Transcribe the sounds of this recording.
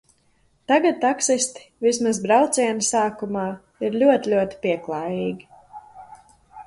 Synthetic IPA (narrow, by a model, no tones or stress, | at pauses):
t̪aɡat̪̚t̪ːaksist̪i̥vismazbɾawt̪sʲiɛnsaːkumaː | iɾlʲuɔt̪ʲilʲuɔt̪i̥piɛklˠaːjiːɡʲi